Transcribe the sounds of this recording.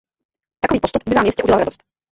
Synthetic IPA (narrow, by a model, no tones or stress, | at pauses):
t̪akoviːpost̪upbɪvaːmjɛscɛʔuɟɛlalɾadost̪